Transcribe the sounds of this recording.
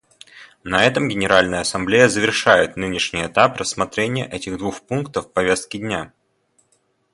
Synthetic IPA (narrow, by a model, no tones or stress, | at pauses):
nɐɛt̪əmɡʲɪnʲɪɾalʲnəjəɐsɐmblʲejəzəvʲɪrʂajɪt̪nɨnʲɪʂnʲɪjɛt̪aprəsːmɐt̪ɾʲenʲɪjə̰ʔɛtʲɪɣd̪vuxpunkt̪əfːpɐvʲe̞st̪̚kʲɪdʲnʲa